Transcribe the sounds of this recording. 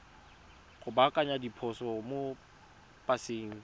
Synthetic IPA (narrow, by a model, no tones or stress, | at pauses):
ɣʊbakʼaɲadipʰɔsɔmo | pʼaseːŋ̩